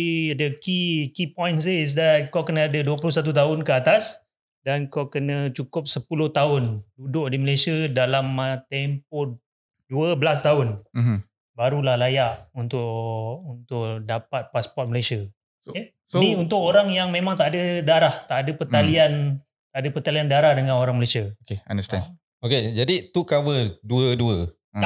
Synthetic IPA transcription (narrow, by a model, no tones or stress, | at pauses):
dəkikipɔ̃jns̬iis̬dat̪̚kawkənaadəduəplʊs̬at̪̬ut̪̬aʊnkəat̪as | dankawkənə̃t͡ʃukʊp̚səpulʊht̪aʊndudʊʔdiməlesiədalamt̪ɛmp̚o | duəbəlast̪aʊn | baɾulahlajaʔunt̪ʊʔunt̪ʊʔdapat̪̚paspɔrt̪̚məlasia | niunt̪ʊʔoɾaŋjaŋmẽmãŋt̪aʔadədaɾaht̪aʔadapərt̪alian | t̪aʔdapət̪aliandaɾahdəŋãnoɾaŋməlasiaokeandəst̪ɛ̰ | oked͡ʒadit̪ukawəduəduə